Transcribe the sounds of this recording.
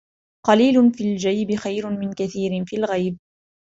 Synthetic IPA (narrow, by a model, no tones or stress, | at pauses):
qɑliːlʊnfiːld͡ʒajbɪxajɾʊmɪnkaθiːɾɪnfiːlɣajb̚